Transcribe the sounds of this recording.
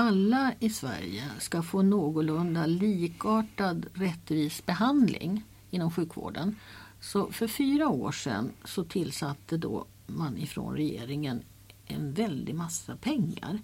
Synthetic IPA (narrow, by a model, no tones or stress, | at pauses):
alːaɪsvæ̰ɾjəskafoːnoːɡʊlɵnd̪aliːkɑːʈad̪ɾɛt̪ːviːsbɛɦand̪lʔɪ̰ŋ | ɪnːɔmɧʉ̟ːkvo̰ːɖənsɔfœɾfyːɾaoːʂɛ̰nsɔt̪ʰɪlsat̪ʰːəd̪o̰ | manɪfɾo̰ːnɾɛjḛːɾɪŋən | ʔɛ̰nvɛld̪ɪmasːapʰɛŋːa̰ɾ